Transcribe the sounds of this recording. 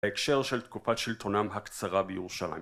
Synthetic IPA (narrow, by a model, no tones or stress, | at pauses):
ekʃe̞ʁʃelt̪kufatʃilt̪o̞namɦakt͡saʁabejeʁuʃala̰j